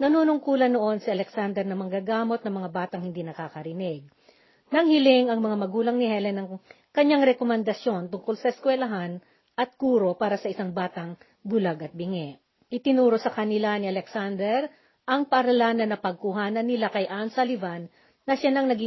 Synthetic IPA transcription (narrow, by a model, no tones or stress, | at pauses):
nɐnuːnʊŋkuːlɐnːoʔo̞nsiʔɐlɛksand̪ɛɾnɐmɐŋɡaɡaːmo̞t̪̚nɐmɐŋabaːt̪ɐŋhɪnd̪inɐkaːkɐɾɪnɪɡ̚ | nɐŋhɪlɪŋɐŋmɐŋamɐɡuːlɐŋnɪhɛlɛnːɐŋ | kɐɲːaŋɾɛkomɛnd̪ɐsjo̞nt̪ʊŋkolsɐʔɛskwɛlɐɦan | ʔɐt̪̚kuːɾo̞paːɾɐsɐʔɪsaŋbaːt̪ɐŋ | bʊlaɡʔɐt̪̚bɪŋɛ | ʔɪt̪ɪnuːɾosɐkɐnɪlaniɐlɛksand̪ɛɾ | ʔɐŋpɐʔɐɾɐlaːnɐnːɐpɐɡ̚kuɦaːnɐnːɪlakɐjʔansɐlɪvanː | ɐʃanɐŋnɐɡi